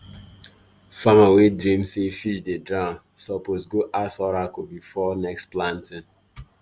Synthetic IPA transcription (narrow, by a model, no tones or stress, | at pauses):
famawedɾĩmsefiʃdedɹã | sɔposɡoʔasɔɾakobifɔnɛksplãntɪ̃n